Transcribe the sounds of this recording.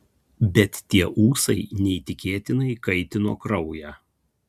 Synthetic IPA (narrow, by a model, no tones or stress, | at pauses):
bʲɛt̪ːʲiɛʔuːsɐɪnʲɛt̪ʲɪkʲeːt̪ʲɪnɐɪkɐɪt̪ʲɪno̰ːkɾɒʊjæː